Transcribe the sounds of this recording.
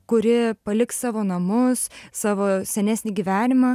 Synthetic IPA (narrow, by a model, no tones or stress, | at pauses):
kʊɾʲɪpɐlʲɪkssɑːʋoːnɐmʊssɑːʋoːsʲɛnʲæːsʲnʲɪɡʲiʋʲæːnʲɪmɑ